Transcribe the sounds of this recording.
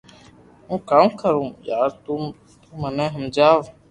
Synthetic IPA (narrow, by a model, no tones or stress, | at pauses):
ɦũːkaːmkəɾũːjaːɾt̪u | t̪umənẽːɦəmd͡ʒaːʋ